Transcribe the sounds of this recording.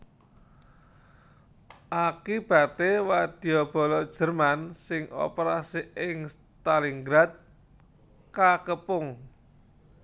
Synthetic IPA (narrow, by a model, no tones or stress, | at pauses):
ʔakib̥a̤t̪ewad̪̥i̤ɔb̥ɔ̤lɔd̥ʒ̥ə̤rmansɪŋo̰peɾasiɪŋs | t̪aliŋɡɾat̪̚ | kakəpʊŋ